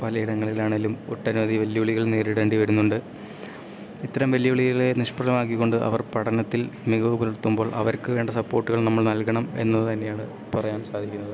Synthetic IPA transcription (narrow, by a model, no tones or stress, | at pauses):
pɐlɐjiɽɐŋːɐɭilaːɳelumo̰ʈːɐnumɐðʱiʋɐljɐuɭiɣɐɭneːɾiɽe̞ːɳɖiʋɐɾunːuɳɖɨ | it̪ːɐɾɐmʋɐljɐuɭiɣɐɭe̞niʂpɐɾɐmaːk̬ːikːo̞ɳɖɨʔɐ̰ʋɐrpɐɽɐnɐt̪ːilmiɣɐubɐluɽut̪ːumbo̞ːɭʔɐ̰ʋɐɾkɨʋe̞ːɳɖɐsɐpːo̞ːrʈːuɣɐɭnɐmːɐɭnɐlkɐɳɐme̞̰nːɐðɨt̪ɐnːe̞jaːɳɨ | pɐrɐjaːnsaːd̪ʱikʲːunːɐðɨ